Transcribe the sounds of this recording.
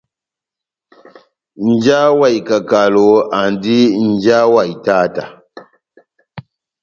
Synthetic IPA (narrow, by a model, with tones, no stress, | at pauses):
n̩˦d͡ʒa˦wa˨jka˨ka˨lo˨a˨ndi˦n˦d͡ʒa˦wa˨jta˦ta˨